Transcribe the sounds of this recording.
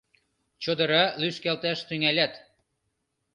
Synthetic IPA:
t͡ɕod̪ɤ̆ɾɑlyskælt̪æʃt̪yŋælʲæt̪

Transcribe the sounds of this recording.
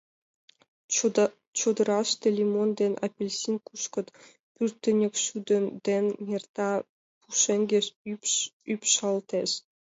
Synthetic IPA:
t͡ɕod̪ɤ̆ɾɑʃt̪ʲelʲimond̪enʔɑ̰pʲelʲsʲinkuʃkɤ̆t̪ | pyrt̪ːĕnʲekʃyd̪ønd̪ennʲert̪ɑ | puʃeŋɡʲeʃypypʃɑlˠt̪eʃ

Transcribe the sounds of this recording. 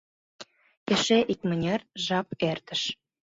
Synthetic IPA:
kĕʃeʔik̚mə̆nʲerʒɑpert̪ə̆ʃ

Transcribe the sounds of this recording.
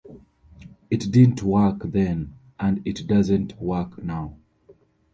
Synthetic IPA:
ɨtdɪdⁿn̩tʰwɜ˞kðɛ̃n | ʔə̃nɪtdʌzɨ̃ntwɜ˞knaʊ

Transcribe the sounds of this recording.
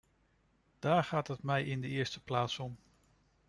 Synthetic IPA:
d̥aːɹχaːtɦətmɛjɪndəɪːɹstəplaːtsɔm

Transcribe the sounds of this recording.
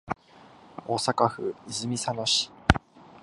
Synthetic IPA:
oːsakaɸɯ̟izɨmʲisano̞ɕi̥

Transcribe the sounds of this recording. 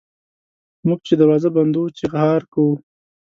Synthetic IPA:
mʊɡ̚t͡ʃed̪aɾwɑzaband̪ut͡ʃeɣhɑɾkawu

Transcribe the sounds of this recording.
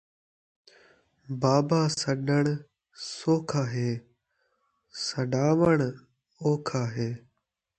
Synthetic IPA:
baːbaːsəɗəɳ̃ | soːkʰaːɦeː | səɗaːʋəɳ | oːkʰaːɦeː

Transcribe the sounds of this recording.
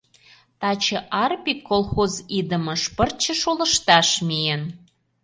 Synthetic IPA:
t̪ɑt͡ɕɤ̆ʔɑrpikːolˠxozid̪ə̆mɤ̆ʃpərt͡ɕə̆ʃolə̆ʃt̪ɑʃmijən

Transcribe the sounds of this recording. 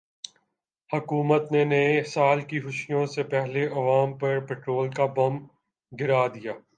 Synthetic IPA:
hɐkuːmət̪nenesaːlkixʊʃijõsepɛɦleʔɐʋaːmpɐɾpɛːʈɾoːlkabɐm | ɡɪɾaːd̪ijaː

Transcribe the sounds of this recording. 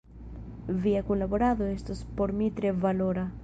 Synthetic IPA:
viakunlaβoɾaðoest̪ospoɾmit̪ɾeβaloɾa

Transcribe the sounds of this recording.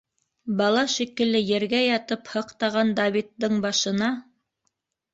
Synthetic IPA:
bɑlˠɑʃikɘ̆lːɘjɘ̆ɾɡæjɑt̪ɤphɤ̆qt̪ɑʁɑnd̪avʲit̪ːɤɴbɑʃɤ̆nɑ

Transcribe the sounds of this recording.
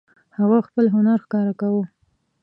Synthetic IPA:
haɣaxpəlɦʊnaɾxkɑɾakawu

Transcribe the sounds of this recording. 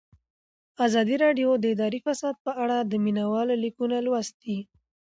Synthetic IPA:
azɑd̪iɾɑɖjod̪əɪd̪ɑɾifasɑd̪̚pəʔaɽad̪əminawɑlolikunalwast̪̚i

